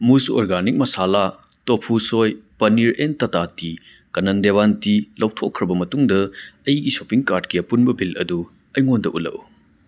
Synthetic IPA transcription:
musoɾɡanik̚mɐsala | topʰusojpɐniɾentɐtati | kɐnɐndeβantilɐwtʰokʰːɾɐbɐmɐtuŋdɐɐjɡisopiŋkaɾdkiɐpunbɐbʱilɐ̰du | ɐjŋondɐʔulɐ̰ʔu

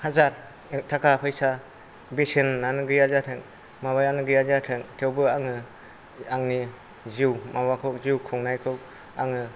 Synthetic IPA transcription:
hazaɾ | tʰakʰapʰɯjsa | besenːanɯɡɯjazatʰɯŋ | maβajanɯɡɯjazatʰɯŋtʰewbɯaŋɯ | aŋni | ziwmawakʰɔk̚ziwkʰɔŋnajkʰɯw | a̰ŋɯ

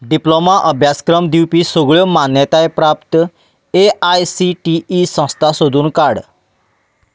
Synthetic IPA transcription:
ɖiplomaʔəbʱjaskɾəmd̪iwpisoɡɭjɔmanjət̪aepɾapt̪ | eajsiʈiisə̃st̪ʰasod̪ʱuːnkaɽ

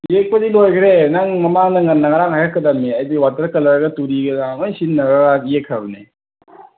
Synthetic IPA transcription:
jek̚pɐdilojkʰɾenaŋmɐmaŋnɐŋɐnːɐŋɐɾaŋhajhakʰːɐdɐmiɐjdiwatɐɾkɐlɐɾɡɐtuɾiɡɐzaŋojsinːɐɾaɡaijekʰɾabni

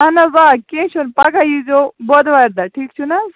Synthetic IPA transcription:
anaʋakẽːt͡ʃʰunpakajizobɔd̪ʋajɾd̪aʈʰiːkt͡ʃʰuna

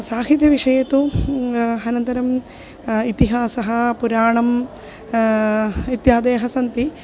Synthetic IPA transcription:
saːɦit̪jɐʋiʂɐjɐt̪u | ɐnɐnt̪ɐɾɐm | it̪iɦaːsɐɦɐpuɾaːɳɐm | it̪jaːd̪eːɐɦɐsɐnt̪i

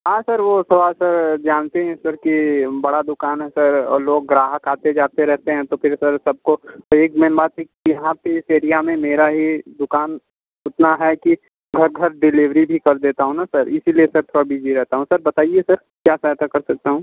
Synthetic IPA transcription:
ɦãːsɐɾʋosɐʋaːlsɐɾd͡ʒaːnt̪eɦɛ̃ɪsɐɾkibɐɽad̪ʊkaːnɦɛsɐɾloːɡ̚ːɾaːɦəkaːt̪ed͡ʒaːt̪eɾɛɦt̪eɦɛ̃t̪opʰɪɾsɐɾsɐb̚koeːkmeɪnbaːt̪ɦi | ijɐɦãpeɪseːɾijamẽmeːɾaɦid̪ʊkaːn | ʊt̪naɦɛki | ɡʱɐɾɡʱɐɾɖɪlɪʋɾibʱikɐɾd̪eːt̪aɦũnasɐɾɪsiliesɐɾt̪ʰoːɽabiːd͡ʒiɾɛɦt̪aɦũsɐɾbɐt̪aːiesɐɾ | kjaːsat̪akɐɾsɐk̚t̪aɦũː

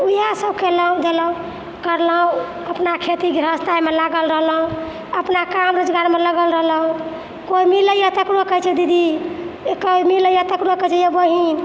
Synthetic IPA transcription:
ujasəbkeləɦũd̪eləũ | kəɾləɦũ | əpnakʰet̪iɡʱɾəst̪aimelaɡəlɾəɦləũ | əpnakamɾod͡ʒɡaɾmeləɡəlɾəɦləũ | koimiləjat̪əkɾokət͡ʃʰɛd̪id̪i | kəmiləjat̪əkɾokət͡ʃʰɛjebəɦin

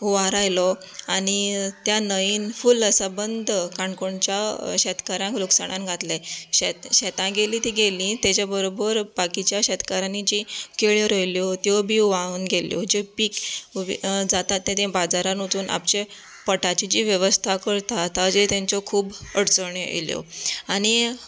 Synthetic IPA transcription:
uʋaɾajlɔ | aɽ̃it̪janəiːnfuləsəbənd̪ʱkaɳkoɳt͡ɕaɕɛt̪kaɾãŋkluksaɽ̃ãnɡʱat̪lɛɕɛt̪ɕɛt̪ãɡeliːt̪iɡelĩt̪et͡ɕjabəɾobəɾbakit͡ɕjaɕɛt̪kaɾanid͡ʑikeɭjeɾəjljɔt̪jɔbʱiːʋauːnɡʱeljɔ̰d͡ʑepiːk | d͡zat̪at̪ːẽt̪ẽbad͡zaɾanot̪uːnʔa̰pt͡ɕe | pəʈat͡ɕid͡ʑiːʋjəʋəst̪ʰakəɾt̪at̪ad͡ʑet̪jãɲt͡sɔkʰuːbəɽt͡səɳeḛljɔ̰aɽ̃i

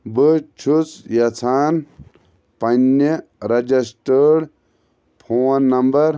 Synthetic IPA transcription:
bɨt͡ʃʰut͡sjɐt͡sʰaːn | pɐnːeɾɐd͡ʒɐsʈəɽ | pʰoːnːɐmbɐɾ

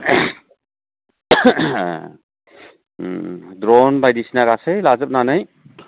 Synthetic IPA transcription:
dɾɔnbajdisinaɡasɯjlazɯp̚nanaj

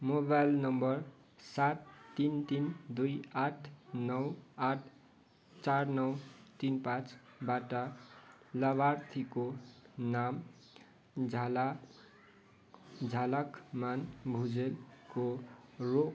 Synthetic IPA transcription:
mobajlnʌmbʌr | sat̪ːint̪ind̪ujaʈʰnʌwaʈʰ | t͡sarnʌwt̪inpãt͡sbaʈʌ | lʌβart̪ʰikonam | d͡zʱala | d͡zʱalakmanbʱud͡zelkoro

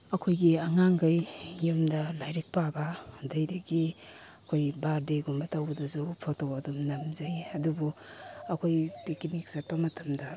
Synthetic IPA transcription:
ɐkʰojɡiɐŋaŋɡajːumdɐlajɾik̚pabɐdajdiɡiɐkʰojbaɾdeɡumbɐtɐwdɐzupʰotowɐdɔmnɐmzajɐdubuɐkʰojpekinik̚sɐt̚pɐmɐtʰɐmdɐ

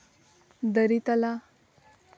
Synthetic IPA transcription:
d̪əɾit̪ala

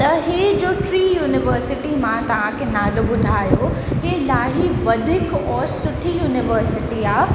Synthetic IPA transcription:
t̪ɐɦeːd͡ʑoːʈɾiːjuːnɪʋəɾsɪʈimãt̪ɐʋ̤ãkʰenaːɖobʊd̪ʱaːjo | ɦeːlaːɦiʋɐd̪ʱɪkɔːɾsʊʈʰijuːnɪʋəɾsɪʈiaː

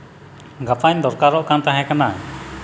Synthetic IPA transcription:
ɡapaɲd̪ɔɾkaɾɔʔkant̪aɦɛ̃kana

